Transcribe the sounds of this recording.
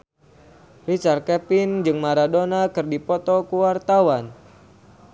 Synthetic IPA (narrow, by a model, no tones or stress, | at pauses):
rit͡ʃarkɛpind͡ʒɨŋmaɾadonakɨrdipɔt̪ɔkuwart̪awan